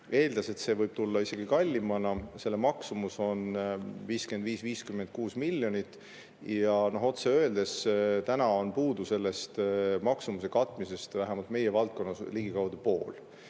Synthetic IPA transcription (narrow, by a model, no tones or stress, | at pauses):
e̞ːld̪̥ɑse̞t̪se̞vɤjb̥̚t̪ulːɑise̞ɡ̥ikɑlʲːimɑnɑse̞lːemɑksumuso̞nviːskend̪viːsviːskymːend̪̚kuːsmilʲːjo̞nit̪ːˑ | jɑno̞ɦo̞t̪seø̞e̞ld̪e̞st̪ænɑo̞npuːd̪̥use̞lːe̞st̪mɑksumuse̞kɑt̪ːˑmise̞st̪væɦæmɑlt̪me̞jevɑlt̪̚ko̞nːɑsliɡ̥ikɑwd̪̥upo̞ːl